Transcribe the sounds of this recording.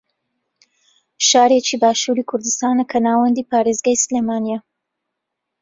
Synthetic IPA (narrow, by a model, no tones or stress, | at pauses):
ʃaːɾet͡ʃʰiːbaːʃuːɾiːkʰʊɾd̪ɨst̪aːnɐkʰɐnaːwɐnd̪iːpʰaːɾeːzɡaːjsleːmaːnijɛ